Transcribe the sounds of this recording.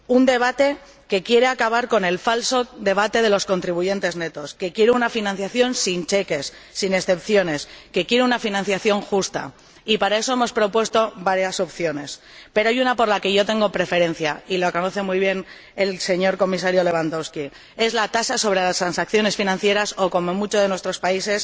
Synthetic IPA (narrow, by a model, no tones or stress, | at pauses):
und̪e̞β̞at̪e̞ | ke̞kje̞ɾe̞akaβaɾko̞ne̞lfalso̞ðe̞β̞at̪e̞ð̞e̞lo̞sko̞nt̪ɾiβuʝe̞nt̪e̞zne̞t̪o̞ske̞kje̞ɾeunafinãn̟θjaθjo̞nsint͡ʃe̞ke̞sːine̞sθe̞pθjo̞ne̞ske̞kje̞ɾeunafinãn̟θjaθjo̞ŋxust̪a̰ | ipaɾae̞so̞e̞mo̞spɾo̞pwe̞st̪o̞βaɾjaso̞pθjo̞ne̞s | pe̞ɾoajunapo̞ɾlake̞ʝo̞t̪e̞ŋɡo̞pɾe̞fe̞ɾẽ̞n̟θjailoako̞no̞θe̞mujβ̞je̞n | e̞lse̞ɲo̞ɾko̞mis̬aɾjo̞le̞β̞and̪o̞wski | e̞zlat̪asaso̞β̞ɾe̞last̪ɾansakθjo̞ne̞sfinãn̟θje̞ɾaso̞ko̞mo̞mut͡ʃozðe̞nwest̪ɾo̞spaise̞s